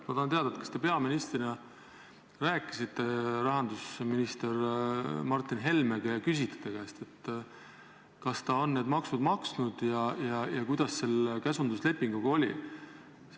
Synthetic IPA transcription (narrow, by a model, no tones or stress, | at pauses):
t̪mɑt̪ɑhɑnt̪eɑd̪̥ɑet̪kɑ̥st̪e̞pe̞ɑminist̪rinɑ | ræːkːˑisit̪ːe̞rɑɦɑnd̪usminist̪ermɑrt̪ːˑinɦe̞lmeɡ̥ekysʲit̪ːe̥t̪ːeɡ̥ɑest̪e̞t̪ː | kɑst̪ɑo̞nːeːd̪mɑksud̪̥mɑksnud̪̥jɑjɑjɑkujd̪ɑsːe̞lkæsund̪̥usle̞pːiŋɡuɡ̥ɑo̞lʲḭ